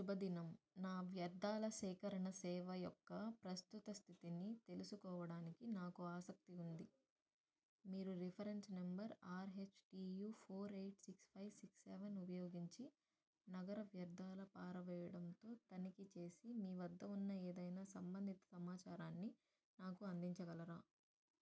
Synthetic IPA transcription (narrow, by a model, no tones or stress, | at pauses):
ʃubɐd̪inɐm | naːʋjɐɾd̪ːaːlɐsɛːkɐɾɐɳɐsɛːʋɐjɔkːɐpɾɐst̪ut̪ɐst̪ʰit̪init̪e̞lusukɔːʋɐɽaːnikinaːkuaːsɐk̚t̪iund̪i | miːɾuɾipʰɐɾe̞nsnembɐɾaːɾɦe̞t͡ʃʈiːjuːpʰoːɾejʈsikspʰɐjʋsiksːeʋɐnupɐjoːɡiɲt͡ʃi | nɐɡɐɾɐʋjɐɾd̪aːlɐpaːɾɐʋɛːjɐɽɐnt̪o̞ːt̪ɐnikit͡ʃe̞ːsimiːʋɐd̪ːɐunːɐeːd̪ɐjnaːsɐmbɐnd̪ʱit̪ɐ̥sɐmaːt͡ʃaːɾaːnːi | naːkuɐnd̪iɲt͡ʃɐɡɐlɐɾaː